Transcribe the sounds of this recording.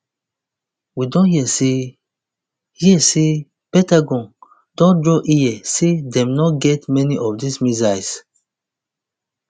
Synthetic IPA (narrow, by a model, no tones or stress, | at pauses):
widɔ̃nhiɛse | hiɛse | pɛ̃taɡɔ̃n | d̥ɔ̃ndɹɔʔiɛsedɛ̃mnɔtɡɛtmɛniʔɔfdismizajs